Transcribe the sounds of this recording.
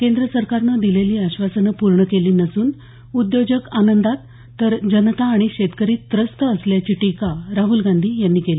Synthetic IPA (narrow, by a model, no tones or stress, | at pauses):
kẽnd̪ɾəsəɾkaɾnəd̪ileliːaɕʋasənəpuɾɳəkeliːnəsuːn | ud̪jod͡ʑəkanənd̪at̪ː | əɾd͡ʑənət̪aːɽ̃iɕet̪kəɾiːt̪ːɾəst̪əəsljat͡ɕiːʈikaɾaɦulɡãnd̪ʱiːjanːiːkeliː